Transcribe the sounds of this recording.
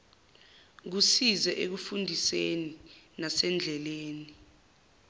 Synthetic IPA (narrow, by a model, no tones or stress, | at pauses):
k̬usizɛʔek̬ufundʱiseninasɛnd͡ɮʱɛleːni